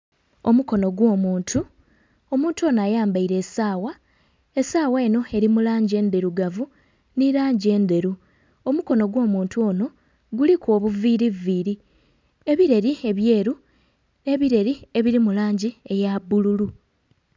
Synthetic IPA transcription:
omuko̞no̞ɡwo̞ːmuːntʰu | o̞muːntuo̞ːnaːjaːmbaiɾe̞ːsaːwa | e̞saːweːno̞e̞ɾimulaːɲɟie̞ːnd̪e̞ɾuɡavu | niɾaːɲɟie̞nd̪e̞ɾu | omuko̞no̞ɡwo̞ːmuːntuo̞ːno̞ | ɡulikwo̞ːβuviːɾiviːɾi | e̞βiɾe̞ɾie̞βje̞ːɾu | ne̞βiɾe̞ɾie̞βiɾimulaːɲɟie̞jabululu

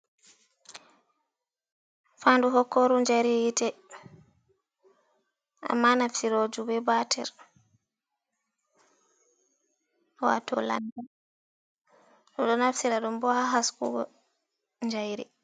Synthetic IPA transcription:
faːnduɦɔkːɔɾuɲd͡ʒajɾijitɛ | ʔa̰mːanafsiɾod͡ʒubɛbatʰɛ̰ɾ | wa̰tɔ̰la̰nda | ɗumɗɔnafsiɾaɗumbɔhaɦaskṵɡɔ̰ | ɲd͡ʒajɾi

